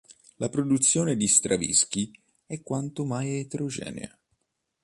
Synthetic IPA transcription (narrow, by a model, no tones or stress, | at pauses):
lapɾod̪ut̪sːjɔːned̪ist̪ɾavḭsk̟i | ɛkːwant̪omajet̪eɾod͡ʒɛ̰ːnḛa̰